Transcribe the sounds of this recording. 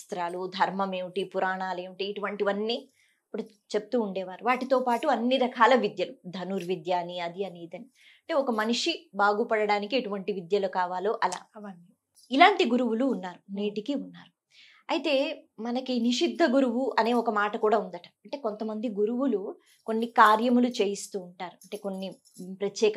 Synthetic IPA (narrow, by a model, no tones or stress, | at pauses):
st̪ɾaːlud̪ʱɐɾmɐme̞ːʋiʈipuɾaːɳaːle̞ːʋiʈiːʈuʋɐɳʈiʋɐnːiː | ɐpːuɽu | t͡ʃe̞pu̥t̪uːɳɖɛːʋaːɾuʋaːʈit̪o̞ːpaːʈuɐnːiɾɐkʰaːlɐʋid̪jɐlud̪ʱɐnuːɾʋid̪jaːniɐd̪iɐniːd̪ɐni | ɐɳʈe̞ːɔkɐmɐnuʂibaːɡupɐɽɐɽaːnikieʈuʋɐɳʈiʋid̪jɐlukaːʋaːlo̞ːʔɐla̰ː | ilaːɳʈiɡuɾuʋuluːnːaːɾuneːʈikiunːaːɾu | ɐjt̪e̞ːmɐnɐkiniʂid̪ʱːɐɡuɾuʋuʔɐne̞ːɔkɐmaːʈɐkuːɽaːund̪ɐʈɐ̥ɐɳʈe̞ːko̞nt̪ɐmɐnd̪iɡuɾuʋulu | ko̞nːikaːɾjɐmulut͡ʃeːjist̪uːɳʈaːɾuɐɳʈe̞ːko̞nːi | pɾɐt̪jɛːk